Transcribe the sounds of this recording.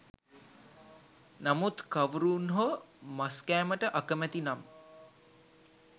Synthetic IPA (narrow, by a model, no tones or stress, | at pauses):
namut̪kaʋɾuːnɦomaskæːməʈəʔakəmæt̪inam